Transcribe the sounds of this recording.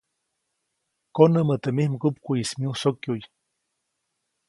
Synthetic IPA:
konəmət̪emihmkupkujismiũsokʲjuj

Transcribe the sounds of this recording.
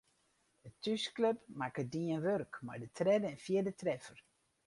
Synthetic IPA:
dətyskløpmakədiənʋørkma̰rdətʰrɛdəɛnfjiədətrɛfər

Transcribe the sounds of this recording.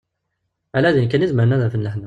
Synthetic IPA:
ʕalæðinkænizməɾnæðæfənləħnæ

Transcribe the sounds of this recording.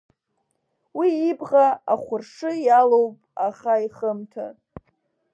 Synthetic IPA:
wiːbʁaaχʷʊrʂɨjalowpʼaχaiχəmtʰa̰

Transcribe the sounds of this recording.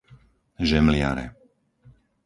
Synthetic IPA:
ʒɛmlɪa̰ɾɛ̰

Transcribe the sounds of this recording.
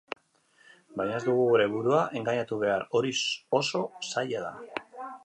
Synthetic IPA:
bajɲaezd̪uɣ̞uɣuɾe̞βuɾuaʔe̞ŋɡaɲat̪uβ̞e̞aɾo̞ɾioso̞saʎaða̰

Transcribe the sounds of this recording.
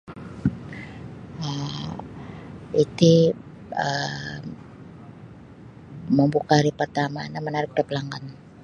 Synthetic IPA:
ə | it̪i | ə | məmbukaɾipərt̪amanamənaɾɪk̚daplaŋɡan

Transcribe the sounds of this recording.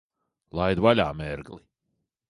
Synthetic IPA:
lˠajd̪vaʎʲaːmɛɾɡli

